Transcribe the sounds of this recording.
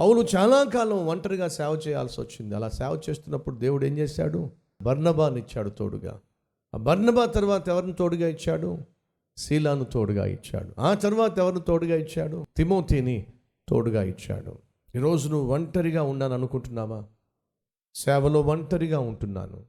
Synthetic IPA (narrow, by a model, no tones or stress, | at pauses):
pɐwulut͡ʃaːlaːkaːlɐ̃mʋɐɳʈɐɾiɡaːsɛːʋɐt͡ʃɛːja̰ːlsiʋɐ̰t͡ʃːind̪iɐlaːsɛːʋɐt͡ʃe̞ːst̪unːɐpːuɽud̪eːwuɽe̞ːɲd͡ʒeːsa̰ːɽu | bʱɐɾnɐbaːnit͡ʃːaːɽut̪oːɽuɡa̰ː | bɐɾnɐbaːt̪ɐɾuʋaːt̪ɐɛʋɐɾnut̪o̞ːɽuɡaːit͡ʃːaːɽu | siːlaːnut̪oːɽuɡa̰ːḭt͡ʃːa̰ːɽuaːt̪ɐɾuʋaːt̪ɐɛʋɐɾnut̪o̞ːɽuɡaːit͡ʃːaːɽut̪imo̞ːt̪ʰiːni | t̪oːɽuɡaːḭt͡ʃːa̰ːɽṵ | iːɾo̞ːd͡ʒunuʋɐɳʈɐɾiɡaːuɳːaːnɐnukuɳʈunːaːʋaː | sɛːʋɐlo̞ːʋɐɳʈɐɾiɡaːuɳʈunːa̰ːnṵ